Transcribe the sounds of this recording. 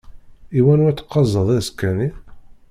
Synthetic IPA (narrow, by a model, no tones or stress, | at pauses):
iwænuɾæt͡sːə̥qːɑzˤːəðˤæðskːæni